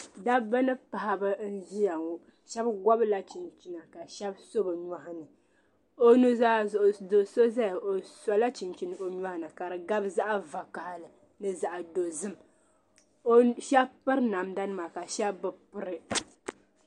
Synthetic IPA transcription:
da˦ba˦nɨ˦pa˨ha˦bɨ˦n̩˦ʒi˦ja˨ŋu˦ | ʃɛ˦bɡɔ˦bla˦t͡ʃi˨nt͡ʃi˨na˨ka˨ʃɛ˦bso˦bɨ˨ɲa˨hnɨ˨ | o˦nu˦za˦˨ʔdo˨so˦za˦jo˨sa˨la˦t͡ʃi˨nt͡ʃi˨nɨ˦o˨ɲa˦hnɨ˨ka˨ɾɨ˨ɡa˦bza˦ʔa˦va˨ka˨ha˦lɨ˨ | nɨ˦za˨ʔa˨do˨zɨ˦m˦ | ʃɛ˦bpɨ˦ɾna˨mda˦nɨ˦ma˨ka˨ʃɛ˦bːɨ˨pɨ˦ɾɨ˦

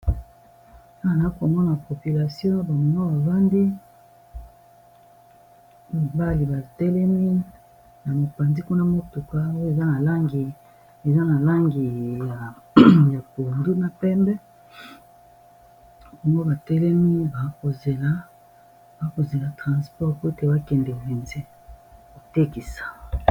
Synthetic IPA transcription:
a˦a˨na˨i˦ko˨mɔ˦na˨po˨pi˨la˨sjɔ̃˦ba˨mo˨no˦ba˨va˦ndi˦ | a˨ba˦li˨ba˨tɛ˦lɛ˦mi˦ | na˨mo˨pa˨nzi˦ku˦na˦mo˦tu˨ka˦o˦e˨za˦na˨la˦ŋɡi˨ | e˨za˦na˨la˦ŋɡi˨ja˨ja˨ko˨ndu˦na˨pɛ˦mbɛ˦ | bɔ˨ŋɡo˦ba˨tɛ˦lɛ˦mi˦ba˨˦ko˨ze˨la˦ | ba˨˦ko˨ze˨la˨tʁã˨spɔ˦ʁpte˦ba˦kɛ˨nde˨vi˨nze˦ | ko˨te˦ki˨sḁ˨

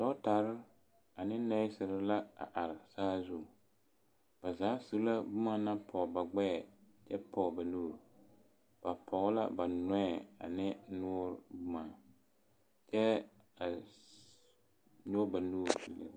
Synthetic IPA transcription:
dɔ˦ta˨ɾɪ˦ | a˨nɪ˦nɛ˦sɪ˨ɾɪ˦la˦a̰˨ʔa˨ɾɪ˨saː˦zu˦˨ | b̥a˨zaː˨˦su˦la˦bu˦ma˦na˦pʰɔ˨ba˨ɡ͡bɛ˦˨ | t͡ʃɛ˦pʰɔ˨ba˨nuː˦˨ɾ | b̥a˨pʰɔ˨ɣla̰˦ba˨nɔ˦ɛ˨a̰˨nɪ˦nʊː˦ɾbu˦ma˨ | t͡ʃɛ˦ | a˨ | ɲo˦ba˨nuː˦˨ɾlɨ̰˨

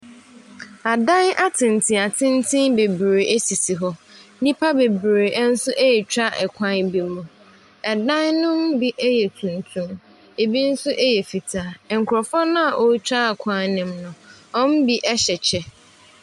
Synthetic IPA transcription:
a˨dã˦na˦tʰɪ̃˨n˨tʰĩ˨a˨tʰɪ̃˦n˦tʰɪ̃˦nbe˨bɾe˨e˦si˨si˨ɦɔ˦nĩ˦pʰa˦be˨bɾe˨ʔn̩˦sʊ˦ʔe˦jɛ˨t͡ɕʰᶣa˦ʔɛ˨kʰʷã˦n˦bi˦mũ˨ | ɛ˨dã˦nnʊ̃˦mbi˦ʔɛ˦jɛ˨tʰũ˨n˨tʰũ˦m | e˨bi˦n̩˦sʊ˦ʔe˦jɛ˨fi˨tʰa˨ŋ̩˨kʰʊ˨ɾɔ˨fɔ˦nã˦a˨ʔo˦t͡ɕʰᶣa˦˨kʷʰã˦nnɪ̃˨mnʊ̃˨ɔ̃˦m˦bi˦ʔɛ˦ɕɛ˨t͡ɕʰɛ˦

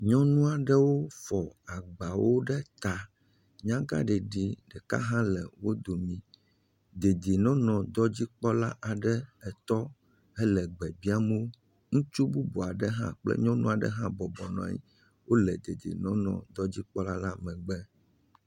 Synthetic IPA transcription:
ɲɔ̃˦nũ˦a˨ɖɛ˦wo˦fɔ˨a˨ɡ͡ba˨wo˦ɖɛ˦t̪a˨ | ɲã˦ɡa̰˦ɖɛ˨ɖi˦ɖɛ˨ka̰˦ɦã˦lɛ˨wo˦d̪o˨mĩ˦ | d̪e˨d̪i˨nɔ̃˦nɔ̃˨d̪ɔ˦d͡ʑi˦k͡pɔ˦la˦ʔa˨ɖɛ˦ɛ˨t̪ɔ˦ | ɛ˦lɛ˨ɡ͡bɛ˨bi˦a˦mɛ˦o˦ | ŋũ˦t͡ʃu˦bu˦bɔ˨a˨ɖɛ˦ɦã̰˦k͡plɛ̰˦ɲɔ̃˦nũ˦a˨ɖɛ̰˦ɦã˦bɔ˨bɔ˨nɔ̰̃˨a̰˨ɲḭ˦ | wʔo˦lɛ˨d̪e˨d̪ḭ˨nɔ̃˦nɔ̰̃˨d̪ɔ˦d͡ʑi˦k͡pɔ˦la˦la˦mɛ̃˨ɡ͡bɛ˦

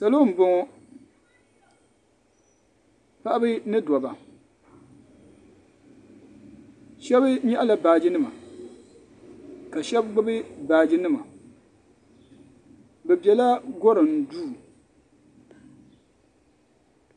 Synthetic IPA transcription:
sa˨lo˦m̩˨bʊ˨ŋɔ˨ | pa˦ʔa˦bɨ˦nɨ˦dɔ˨ba˨ | ʃɛ˦βɨ˦ɲɛ˦ʔa˦la˨baː˨d͡ʒɪ˦nɨ˦ma̰˨ | ka˨ʃɛ˦bɡ͡bɨ˦bɨ˦baː˨d͡ʒɪ˦nɨ˦ma̰˨ | bɛ˨bjɛ˨la˦ɡɔ˦ɾɨ˨n˨duː˦˨

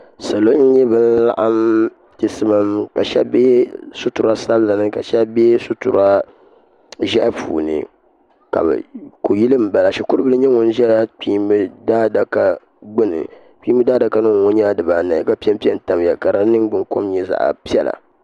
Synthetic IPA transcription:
sa˨lo˦ɲ˦ɲɛ˦bɨ˦n˦la̰˦ʔa˦m | tɪ˨sɨ˦ma˦mka˨ʃɛ̰˦be˦sʊ˦tʊ˨ɾa˦sa˦bla˨nɨ˦ka˨ʃɛ˦be˦sʊ˦tʊ̰˨ɾa˦ | ʒɛ˦ʔpʰṵː˨nɨ̰˨ | ka̰˨b̰ko˨ji˦lɨ˦m̩˦˨ba˨la˨ʃi˨kʊ˦ɾɨ˦bɨ˦lɨ˦ɲ˦ɛ˦ŋʊ˦n˦ʒɛ˦la˦k͡piː˦mbɨ˦da˦da˨ka˨ | ɡ͡bʊ˦nɨ̰˨ | k͡pi˦mbɨ˦daː˦da˨ka˦nɨ˦ŋ˨ŋo˦ɲaː˦dɨ˨ba˨na˨jka˦pi˦ɛ˦m˦pi˦ɛ˦n̩˦ta˨m˨ja˨ka˨ɾa˦nɨ˦ŋɡ͡bɨ˦ŋko˦m˦ɲɛ˨za̰˨ʔa̰˨pi˦ɛ˦la̰˨

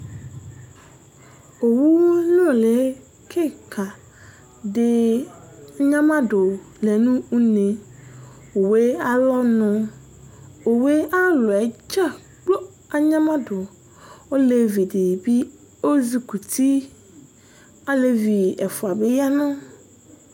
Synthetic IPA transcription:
o˨wu˦nɔ̃˦˨le˨˦ | kʰe˦kʰa˨ | dɪ˦ | a˨ɲã˦mã˦dʊ˨ | le˨nũ˦u˦ne˨ | wo˨we˦a˦lɔ˦nʊ̃˨ | o˨we˦a˦lʊ˨ɛ˨d͡ʒa˦ | k͡po˦ | a˦ɲã˦mã˦dʊ˨ | o˦le˨vi˨de˨bi˦ | o˦zi˨ku˨t̪ʰi˦ | a˨le˦vi˨ɛ˨fʊ˨a˨be˦ja˦nʊ̃˦

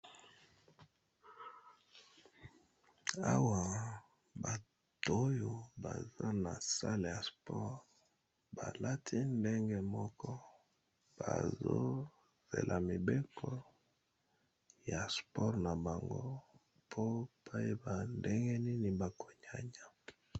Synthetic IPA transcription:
a˦wa˨ | ba˨ | to˦jo˨ba˨za˦na˨sa˦le˨ja˨spɔ˦ʁ | ba˨la˦tʰi˦nde˦ŋɡe˦mɔ˦kɔ˦ | b̥a̰˨zo̰˦ | z̥ḛ˨lʔa˨mi˨be˦kʰɔ˦ | ja˨spɔ˦ʁna˨ba˨ŋɡo˦ | pʰo˦pʰa˦je˦ba˨nde˦ŋɡɛ˦ni˦ni˨ba˨ko˨ɲa˨ɲa˨

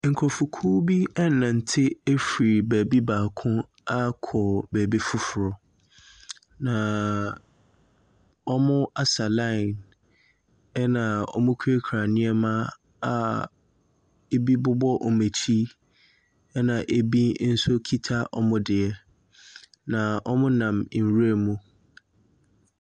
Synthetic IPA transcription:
ŋ̩˨kʰɔ˨fʊ˨kʰuː˦bi˦ɛ˦˨nã˨n̩˨tʰɪ˦e˦fi˨bæ˨bi˦baː˨kʰʊ̃˦ | a˦kʰɔ˨bæ˨bi˦fʊ˦fʊ˨ɾɔ˨ | nã˨ | ɔ˦mʊ̃˦a˦sa˨lã˦˨n | ɛ˦nã˨ɔ̰˦mʊ̃˦kʰu˦e˦kʰɾa˨nɪ̃˦ɛ˦mã˦ | a˨ | e˦bi˦bʊ˦bɔ˦ʔɔ˨me˨tʰi˦ | ɛ˦nã˨ʔe˦bi˦n̩˦sʊ˦kʰi˦tʰa˦ʔɔ̰˦mʊ̃˦dɪ˨ɛ˦ | nã˨ʔɔ˦mʊ̃˦nã˨m̩˨ɾu˦e˦˨mũ˦

